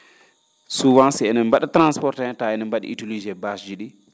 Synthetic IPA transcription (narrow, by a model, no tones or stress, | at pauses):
suwansiɛnɛmbaɗatɾanspɔɾtɛtaɛnɛmbaɗḭʔitulid͡ʒɛbasd͡ʒiɗi